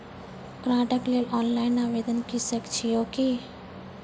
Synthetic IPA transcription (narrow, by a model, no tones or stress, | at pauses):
kɾãːʈəkleːlɔːnlaːjnaːʋeːd̪ənkisəkt͡ʃʰijoːki